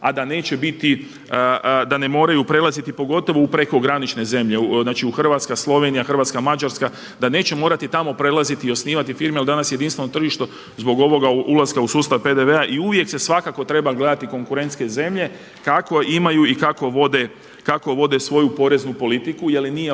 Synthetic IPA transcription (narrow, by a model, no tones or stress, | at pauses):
ad̪ane̞ːt͡ɕe̞bit̪i | d̪ane̞mo̞ːɾajupɾe̞lˠazit̪ipo̞ɡo̞t̪o̞ʋoupɾe̞ko̞ɡɾanit͡ʃne̞ze̞mʎe̞znaːt͡ʃiuxr̩ʋat̪skaslˠo̞ʋe̞nijaxr̩ʋat̪skamad͡ʒaɾska | d̪ane̞ːt͡ɕemo̞ːɾat̪it̪amo̞pɾe̞lˠazit̪iio̞sniːʋat̪ifiːɾmejeld̪anasje̞d̪inst̪ʋeno̞t̪r̩ʒiʃt̪o̞ | zbo̞ɡo̞ʋo̞ɡaulˠaskausuːst̪aʋpe̞d̪e̞ʋeaʔiuʋje̞kse̞sʋakako̞t̪ɾe̞baɡle̞d̪at̪iko̞ŋkuɾe̞nt̪ske̞ze̞mʎe̞ | kako̞ʔimajuikako̞ʋo̞d̪e̞ | kako̞ʋo̞d̪e̞sʋo̞jupo̞ɾe̞znupo̞lit̪ikuje̞linije